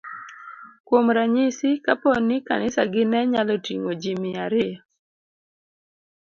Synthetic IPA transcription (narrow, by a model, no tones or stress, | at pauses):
kwomɾaɲɪsɪkapɔnːɪka̰nɪsaɡɪnɛɲalɔtiŋod͡ʒimɪaɾɪjɔ